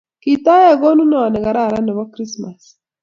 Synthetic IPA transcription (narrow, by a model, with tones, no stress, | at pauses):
ki˨ta˦ja˦˨ɡɔ˦nu˦na˨a˨nɛ˨ɡa˨ɾa˦˨ɾa˦nɛ˨βɔ˦kɾi˦sma˨s